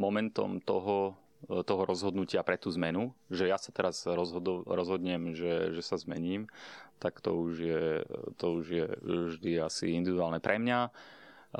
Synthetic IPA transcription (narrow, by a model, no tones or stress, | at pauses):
mɔmɛnt̪ɔ̰mt̪ɔɦɔ | t̪ɔɦɔɾɔzɦɔd̪nucɪapɾɛt̪uːzmɛnuʒɛjasat̪ɛɾazɾɔɦɔɾɔzɦɔd̪ɲɛmʒɛʒɛsazmɛɲiːmt̪akt̪ɔ̰uʒjɛt̪ɔuʒjɛʒd̪iasḭind̪iʋid̪uaːlnɛpɾʔɛmɲa